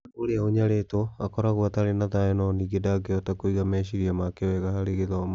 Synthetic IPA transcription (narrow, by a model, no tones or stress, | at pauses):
oɾeaoɲaɾetoakɔɾaɣwataɾenaðaenɔniɡedaɡeɔtakoiɣamɛɕiɾiamakeɔɛɣahaɾeɣeðɔm